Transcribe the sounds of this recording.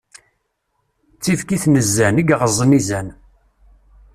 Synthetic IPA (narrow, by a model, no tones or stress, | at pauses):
t͡sːivkiθnəzːæniɡʁəzˤənizæn